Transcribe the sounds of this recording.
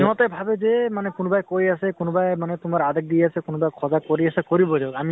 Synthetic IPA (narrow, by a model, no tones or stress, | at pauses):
ɔɔt̪ɔbʱabezemanɛkʊnɔbajkojasɛkʊnɔbajmanɛt̪ʊmaɹad̪ak̚d̪iasɛkʊnɔbajkʰɔzakoɾiasɛkoɾibɔdeami